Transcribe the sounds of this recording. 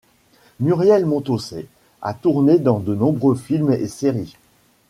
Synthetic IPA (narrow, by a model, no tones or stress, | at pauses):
myʁjɛlmɔ̃t̪osɛ̰ | a̰t̪uʁned̪ɑ̃d̪ənɔ̃bʁøfilmḛseʁi